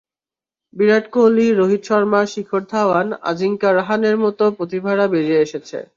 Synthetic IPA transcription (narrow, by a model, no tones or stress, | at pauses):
biɾaʈkoliɾoɦit̪ʃɔɾmaʃikʰoɾd̪ʱaana̰d͡ʑiŋkaɾaɦaneɾmɔt̪opɾot̪ibʱaɾabeɾieeʃet͡ɕʰḛ